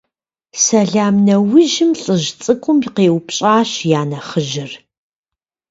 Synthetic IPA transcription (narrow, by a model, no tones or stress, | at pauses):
sɐɮaːmnɐwɪʒɪmɬʼɨʒt͡sʼɨkʷʰʼʊmjɪqeːwpɕʼaːɕjaːnɐχəʒɪr